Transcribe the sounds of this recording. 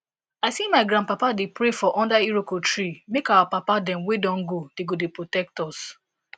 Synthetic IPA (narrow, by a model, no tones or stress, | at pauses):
aɪsimaɪɡɾãnpapadepɹefɔʔɔ̃ndaiɹokotɹimekawapapadɛ̃mwedɔ̃nɡod̥eɡodepɹotɛk̚tɔs